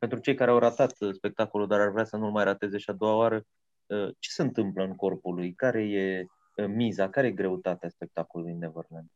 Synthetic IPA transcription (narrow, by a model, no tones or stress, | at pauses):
pe̞nt̪ɾut͡ʃe̞jkaɾeawɾat̪at̪spe̞k̚t̪ako̞lud̪aɾarvɾeasənulmajɾat̪e̞ze̞ʃiad̪owaoaɾə | ət͡ʃe̥se̞ɨnt̪ɨmpləɨŋko̞rpulujkaɾe̞je̞ | mizakaɾe̞je̞ɡɾe̞ut̪at̪easpe̞k̚t̪akolulujinevərlen